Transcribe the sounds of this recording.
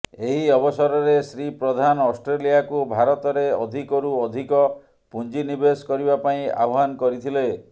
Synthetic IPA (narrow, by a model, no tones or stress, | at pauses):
eɦiɔbɔsɔɾɔɾesɾipɾɔd̪ʱanɔsʈɾelijakubʱaɾɔt̪ɔɾeɔd̪ʱikɔɾuɔd̪ʱikɔ | pund͡ʒinibeskɔɾibapaĩa̰ɦankɔɾit̪ʰile